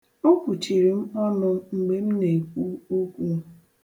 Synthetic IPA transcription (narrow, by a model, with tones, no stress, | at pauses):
o˦kʷu˨t͡ʃi˨ɾi˨m̩˦ɔ˦nʊ˦ŋ͡m̩˨ɡ͡be˦m̩˦ne˨kʷu˦o˦kʷu˦